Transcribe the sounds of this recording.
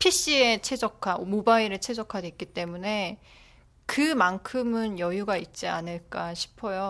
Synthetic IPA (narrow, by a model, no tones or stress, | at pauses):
pʰiɕ͈iet͡ɕʰe̞d͡ʑʌkʰamobaiɾɯɭt͡ɕʰe̞d͡ʑʌkʰaɡeik͈it͈e̞mune̞ | kɯmaŋkʰɯmɯnjʌjuɡait̚t͡ɕ͈ia̰nɯɭk͈aɕʰi̥pʰʌjo